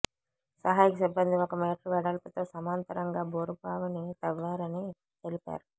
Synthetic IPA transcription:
sɐɦaːjikɐsibːɐnd̪iɔkɐmeːʈɾuʋɛɽɐːlput̪o̞ːsɐmaːnt̪ɐɾɐŋɡaːbʱoːɾupaːʋɐnit̪ɐʋːaːɾɐni | t̪e̞lipa̰ːɾu

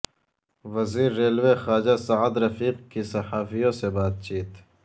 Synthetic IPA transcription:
wɐziːɾːeːlwexaːd͡ʒasaʕd̪ɾɐfiːqkisɐħaːfijõsebaːt̪̚t͡ʃiːt̪

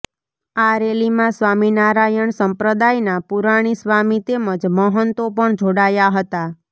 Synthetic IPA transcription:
aɾelimãsʋaminaɾajəɳsəmpɾəd̪ajnapuɾaɽ̃isʋamit̪eməd͡ʒməɦənt̪opəɳd͡ʒʱoɽajaɦət̪a

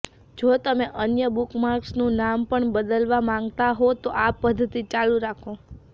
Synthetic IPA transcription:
d͡ʒot̪əmeʔənjəbukmaɾksnũnampəɳbəd̪əlʋamãŋɡt̪aɦot̪oʔapːəd̪ʱːət̪it͡ʃalũɾakʰo

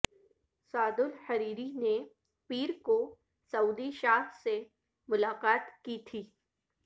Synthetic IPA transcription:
saːd̪ʊlhɐɾiːɾine | piːɾko | sɐuːd̪iʃaːɦse | mʊlaːqaːt̪kiːt̪ʰiː

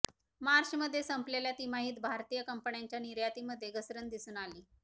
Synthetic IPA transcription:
maɾɕməd̪ʱːjesəmpleljat̪iːmaɦiːt̪bʱaɾt̪iːjəkəmpəɳjaɲt͡ɕjaniɾjat̪iməd̪ʱjeɡəsɾənd̪isuːnaliː

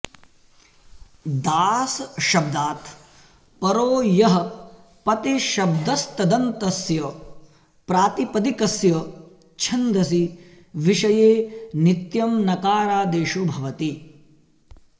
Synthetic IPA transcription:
d̪aːsʃɐb̚d̪aːt̪ʰ | pɐɾoːjɐɦɐ | pɐt̪iʃɐb̚d̪ɐst̪ɐd̪ɐnt̪ɐsjɐ | pɾaːt̪ipɐd̪ikɐsjɐ | t͡ʃʰɐnd̪ɐs̬i | ʋiʃɐjeːnit̪jɐmnɐkaːɾaːd̪eːʃubʱɐʋɐt̪i

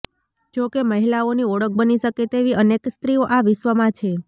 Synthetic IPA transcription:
d͡ʒokeməɦilaoniɔɽək̚bəniʃəket̪eʋiənekst̪ɾioʔaʋɪʃʋəmãt͡ʃʰe

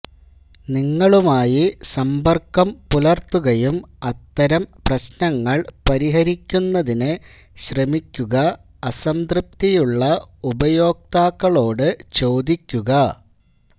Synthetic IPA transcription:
niŋːɐɭumaːjisɐmbɐrkːɐmpulɐrt̪ːuɣɐjumɐt̪ːɐɾɐmprɐɕnɐŋːɐɭpɐɾiɦɐɾikʲːunːɐðinɨ | ɕremikʲːuɣɐ | ɐsɐmd̪rɨp̚t̪ijuɭːɐubɐjo̞ːk̚t̪aːkːɐɭo̞ːɽɨt͡ɕo̞ːd̪ikʲːuɣɐ

